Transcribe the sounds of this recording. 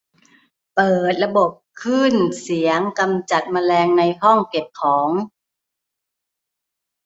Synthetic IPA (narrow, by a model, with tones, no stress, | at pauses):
pɤː˨˩t̪̚la˧bo˨˩p̚kʰɯ˥˩nsi˩˦əŋka˧mt͡ɕa˨˩t̪̚maː˧lɛː˧ŋna˧jhɔ˥˩ŋke˨˩p̚kʰɔː˩˦ŋ